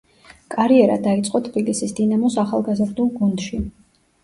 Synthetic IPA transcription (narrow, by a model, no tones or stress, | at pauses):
kʼaɾiɛɾa̰d̪ait̪sʼqʼɔt̪ʰbilisisd̪inamɔsaχalˠɡazɾd̪ulˠɡund̪ʃi